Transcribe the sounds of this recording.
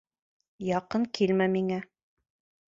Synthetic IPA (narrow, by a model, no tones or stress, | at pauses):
jɑqɤɴkʰilmæmiŋæ